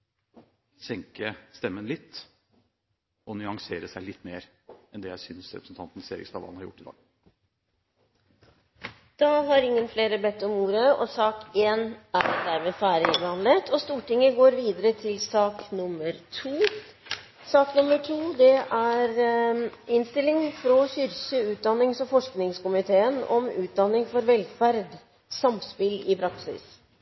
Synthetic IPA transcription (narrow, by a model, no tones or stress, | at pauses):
sɛŋkəst̪ɛmːənlɪt̪ː | ɔnʏɑŋseːɾəsæɪlɪt̪ːmeːɾɛnd̪ɛjæɪsʏnsɾɛpɾəsn̩t̪ʰɑnt̪n̩sḛːɾɪ̰kst̪ɑʋɑ̰lnhɑɾjʊ̰ʈːɪd̪ɑ̰ːɡ | d̪̥ɑɦɑɾɪŋːənfleːɾəbɛt̪ːɔmuːɾəɔsɑːkeːnæɾd̪æɾmeːfæːɾəɪbɑnlət̪ʰɔst̪uːʈɪŋəɡoːɾʋiːd̪əɾət̪ʰɪlsɑːknʊmːəɾt̪ʰuː | sɑːknʊməʈʰuːd̪ɛʔæɾ | ɪnst̪ɪlːɪŋfɾɔçʏɾsəʉːt̪̚d̪ɑnːɪŋsɔfɔʂknɪŋskʊmɪt̪ʰeːənɔ̰mʉ̰ːt̪̚d̪ɑnːɪŋfɔɾʋɛlfæɾd̪ | sɑmspɪlɪpʰɾɑksɪ̰s